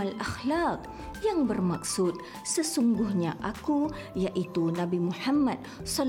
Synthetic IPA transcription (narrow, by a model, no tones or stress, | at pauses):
alʔaxlak̚ | jaŋbərmak̚sut̪̚ | səsuŋɡʊhɲaʔaku | jaʔit̪unabimuħamːad̪̚sɔl